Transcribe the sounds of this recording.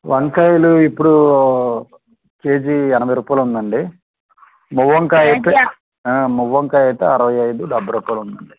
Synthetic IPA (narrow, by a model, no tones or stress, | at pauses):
ʋʔɐŋkɐjluipːuɽu | keːd͡ʒiɛnɐbɐjɾuːpaːjlund̪ɐɳɖi | muʋːɐŋkaːjɐjt̪e | muʋːɐŋkaːjɐjt̪eːɐɾɐʋɐjɐjd̪uɖɐbːɐɾuːpaːjlund̪ɐɳɖi